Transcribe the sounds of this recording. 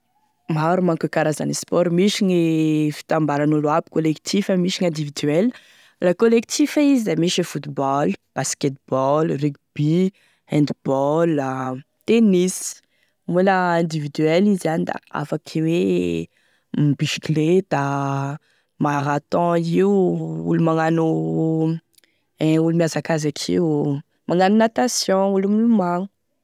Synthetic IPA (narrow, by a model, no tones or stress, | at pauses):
maɾumaŋkukaɾazanispɔɾmiʃiɲifi̥t̪ãmbaɾanuluabi̥kolekt̪ʰifəmiʃiɲɛ̃d̪ivid̪yɛl | lakolek̚t̪ʰifaizizamiʃifut̪bɔlb̥asket̪̚bɔlrikb̥i | ɛ̃nd̪bɔla | t̪enis | mulaɛ̃nd̪ivid̪yɛlizanid̪a̰a̰fakʰiwe | bisi̥klet̪a | maɾat̪ɔ̃iwṵlumaŋanu | ɛulumiasakazakʰḭw | maŋanunat̪asjɔ̃ulumulumaŋu